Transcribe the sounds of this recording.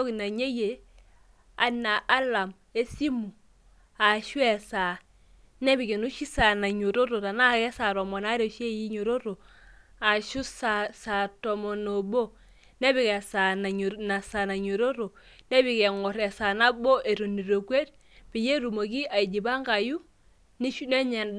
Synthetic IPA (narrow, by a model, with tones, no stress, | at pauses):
o˦kna˨ɲe˦je˨ | a˨na˨ʔa˦la˨m | e˦si˦mu˨ | a˨ʃu˦e˨sa˨ | ne˦bi˨ke˨nu˦ʃi˦sa˨na˨ɲo˨ɾo˦ɾo˨ta˨na˦ke˦sa˨ɾo˨mo˨na˦ɾe˦˨ʃe˦ji˦ɲo˨ɾo˦ɾo˨ | a˨ʃu˦sa˨sa˨to˨mo˨no˨bo˦ | ne˦bi˨ke˨sa˨na˨na˨sa˨na˨ɲo˨ɾo˦ɾo˨ | ne˦bi˨ke˨ŋo˨ɾe˨sa˨na˦bo˦ʔe˨ɾo˨ni˨ɾo˨ke˦ɾ | b̥i˨je˦ɾu˨mo˨ki˦a˨i˨d͡ʒi˨ba˦ŋɡa˨ju˦ | ni˦ʃne˦ɲe˨n